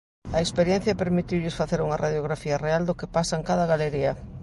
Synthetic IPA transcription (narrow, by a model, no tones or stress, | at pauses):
ɐekspeɾjɛn̟θjɐpeɾmit̪iwʎɪsfaθeɾuŋɐraðjoɣɾafiɐreald̪ʊkɪpasɐeŋkaðɐɣaleɾiɐ